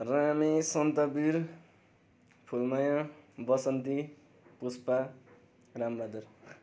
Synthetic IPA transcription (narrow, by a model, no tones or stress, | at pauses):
ramisʌnt̪ʌbiɾ | pʰulnʌjãbʌsʌnt̪i | puspa | rambad̪uɾ